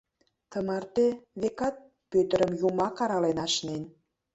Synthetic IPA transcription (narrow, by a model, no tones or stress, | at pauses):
t̪əmɑrt̪eβekɑt̪̚ | pøt̪ə̆ɾəmjumɑkɑɾɑlenɑʃnen